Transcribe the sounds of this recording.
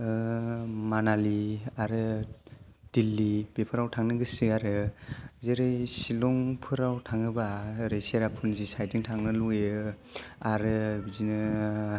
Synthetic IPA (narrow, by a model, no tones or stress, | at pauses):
ɯ | manaliaɾɯ | d̥ilːibepʰɯɾawtʰaŋnɯɡɯsiaɾɯzeɾɯjsilɔŋpʰɯɾawtʰaŋɯbaɾesaɾapʰɯnzisajtiŋtʰaŋnɯlue | aɾɯzinɯ